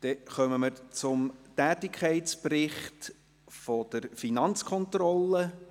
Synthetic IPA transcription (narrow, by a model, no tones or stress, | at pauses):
d̥ɛχœməməɾt͡sʊmtæːtɪkʰɛɪtt͡sprɪχt | fɔd̥əɾfinɑnt͡skʰχɔnt̪rɔlːə